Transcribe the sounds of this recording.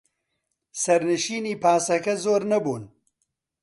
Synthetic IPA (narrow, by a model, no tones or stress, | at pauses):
sɐɾnɨʃiːniːpʰaːsɐkɐzoːɾnɐbuːn